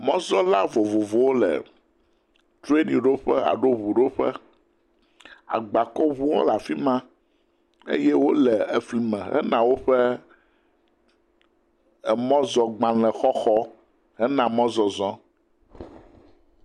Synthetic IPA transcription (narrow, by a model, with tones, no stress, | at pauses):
mɔ̃˦zɔ˦la˦vo˨vo˨vo˨wo˦lɛ̰˨ | t̪ɾu˦e˦nĩ˨ɖo˦ɸɛ˦a̰˨ɖo˦βu˨ɖo˦ɸɛ̰˦ | a̰˨ɡ͡ba˨kɔ˦βu˦wõ̰˦la˨fi˦mã˦ | ḛ˦jɛ˦wo˦lɛ˨e˨fli˨mɛ̃˨ɦɛ̰˦nã˨wo˦ɸɛ˦ | ɛ˨mɔ̃˦zɔ˨ɡ͡bã˨lɛ̃˨xɔ˦xɔ˦ | ɦɛ˦nã˨mɔ̃˦zɔ˨zɔ̃˦